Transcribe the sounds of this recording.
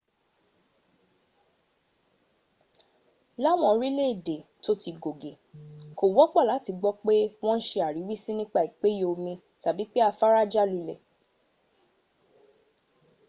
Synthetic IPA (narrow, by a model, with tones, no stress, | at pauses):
la˦w̃ɔ̃˧ɾi˦le˦˨de˨to˦ti˧ɡo˨ɡe˨ko˨wɔ˨˦k͡pɔ˦˨la˨˦ti˧ɡ͡bɔ˦k͡pe˦w̃ɔ̃˦n̩˦ʃe˧a˨ɾi˨˦wi˦si˦nĩ˦k͡pa˦˨i˨k͡pe˦jo˧o˧mĩ˧ | ta˨bi˨˦k͡pe˦a˧fa˦ɾa˦d͡ʒa˦lu˧lɛ˨